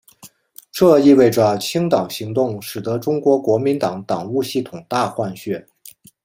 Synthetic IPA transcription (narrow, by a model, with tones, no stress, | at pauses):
ʈ͡ʂɤ˥˧i˥˧we˥˩ɪʈ͡ʂə˩t͡ɕʰi˥ŋt̪ɑ˨˩ŋɕi˧˥ŋt̪ʊ˥˩ŋʂɻ̩˨˩t̪ɤ˧˥ʈ͡ʂʊ˥ŋkwɔ˧˥kwɔ˧˥mi˧˥nt̪ɑ˨˩ŋt̪ɑ˨˩ŋu˥˧ɕi˥˩t̪ʰʊ˨˩ŋt̪a˥˧xwa˥˧nɕɥɛ˥˩